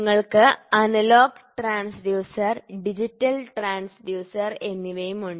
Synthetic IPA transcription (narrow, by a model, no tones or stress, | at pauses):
ŋːɐɭkɨɐnɐloːɡʈraːɳsɖjuːsɐrɖid͡ʑitːɐlʈraːɳsɖjuːsɐre̞nːiʋɐjumuɳɖ